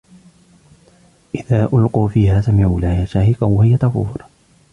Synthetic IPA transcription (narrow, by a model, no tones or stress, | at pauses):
ʔɪðaːʔʊlquːfiːhaːsamɪʕuːlahaːʃaːhɪqawahɪjat̪ɑfṵːɾˤ